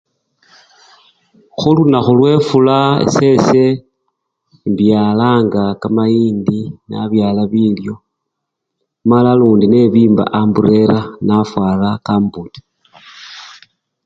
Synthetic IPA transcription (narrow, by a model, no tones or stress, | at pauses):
xulunaxulwe̞fulaḛse̞se | mbjalaːŋɡakamajiːndina̰βjaːlaβiljo̞ | malaluːndine̞βiːmba̰ʔambuɾe̞ɾanafwaːlakaːmbuti̥